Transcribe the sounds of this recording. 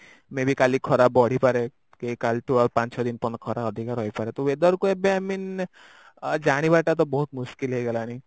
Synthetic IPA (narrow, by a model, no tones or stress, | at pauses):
mẽbʱikalikʰɔɾabɔɽ̤ipaɾe | kekalʈuɔɾpãnt͡ʃʰɔd̪inpɔnkʰɔɾaɔd̪ʱikaɾɦɔjpaɾet̪ɔed̪ɔɾkuebeamin | d͡ʒaɽ̃ibaʈat̪̬ɔbɔɦut̪muʃkilɦejɡelani